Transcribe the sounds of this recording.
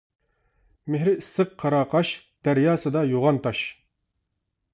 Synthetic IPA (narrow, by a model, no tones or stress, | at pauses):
meɦɾɪisːɨqʰːɑɾɑːqʰɑʃ | d̪̥æɾjɑːsɨd̪ɑjoʁɑnt̪ɑʃ